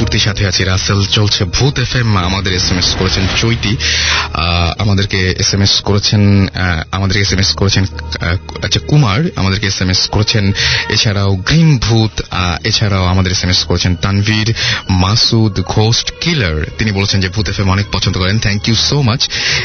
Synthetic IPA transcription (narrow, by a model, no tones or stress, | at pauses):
t̪uɾt̪iʃat̪ʰeat͡ɕʰeɾaselt͡ɕolt͡ɕʰebʱut̪efemamad̪eɾesemeskoɾet͡ɕʰent͡ɕojt̪i | a̰mad̪eɾkeesemeskoɾet͡ɕʰenamad̪eɾkeesemeskoɾet͡ɕʰen | at͡ɕʰakumaɾa̰mad̪eɾkeesemeskoɾet͡ɕʰenet͡ɕʰaɾaoɡɾinbʱut̪aet͡ɕʰaɾaoamad̪eɾesemeskoɾet͡ɕʰent̪anviɾmasud̪ɡʱosʈkilaɾt̪inibolet͡ɕʰend͡ʑebʱut̪efemɔnek̚pɔt͡ɕʰont̪okɔɾent̪ʰɛŋkijusomat͡ɕʰ